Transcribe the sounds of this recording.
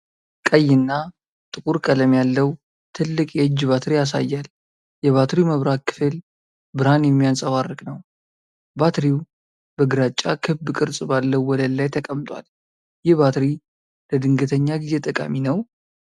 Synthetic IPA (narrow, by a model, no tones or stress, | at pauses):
kʼəjːɪnːa | t̪ʼɨkʼuɾkʼələmjalːəw | t̪ʰɨlːɨkʼjɛɨd͡ʒːbat̪ɾijas̬a̰jːal | jɛβat̪ɾiməβɾakʰːɨ̥fɨl | bɨɾanjɛmːijansʼəβarːɨkʼnəw | bat̪ɾiw | bəɡɨɾat͡ʃʼːakʰɨbbkʼɨɾsʼbalːəwːɔləlːajt̪ʰəkʼəmt̪ʼwa̰l | jɪhbat̪ɾi | ləd̪ɨŋɡət̪ʰəɲːaɡize̞t̪ʼəkʼa̰minəw